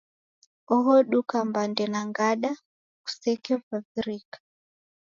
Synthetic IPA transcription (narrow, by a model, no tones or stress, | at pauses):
ɔɦɔɗukambandɛnaŋɡaɗa | ku̥sɛkɛvaviɾikḁ